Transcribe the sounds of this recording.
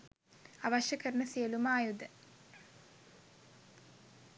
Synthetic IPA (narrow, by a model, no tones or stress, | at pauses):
ɐʋɐʃɐkɐrnɐsijɐlumaːjud̪ɐ